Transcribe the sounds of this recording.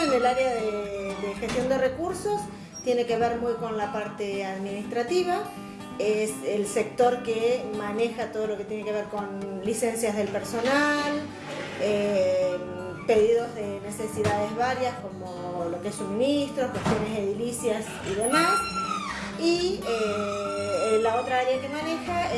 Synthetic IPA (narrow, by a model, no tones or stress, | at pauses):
enelaɾeaðed̪exest̪jo̞nd̪ere̞kuɾso̞s | t̪je̞neke̞βe̞ɾmujko̞nlapaɾt̪eaðminist̪ɾat̪iβa | eselse̞k̚t̪o̞ɾkemane̞xat̪oð̞o̞lo̞ket̪jene̞ke̞β̞e̞ɾko̞nlisensjazðe̞lpeɾso̞nal | e | pe̞ðiðo̞zðene̞se̞siðað̞ezβaɾjasko̞mo | lo̞keesːumĩnist̪ɾokwest̪jo̞ne̞zðeðilisjas | iðemas | ie | lao̞t̪ɾaaɾeakemãne̞xae